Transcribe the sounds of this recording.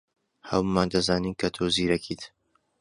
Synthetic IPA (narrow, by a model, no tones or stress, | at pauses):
hɐ̰wmaːnd̪ɐzaːniːnkʰɐt̪ʰoːziːɾɐkʰiːt̪